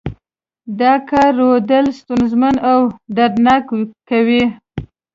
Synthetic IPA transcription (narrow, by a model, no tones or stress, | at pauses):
d̪ɑkaɾod̪əlst̪unzmanawɖad̪nɑkkawi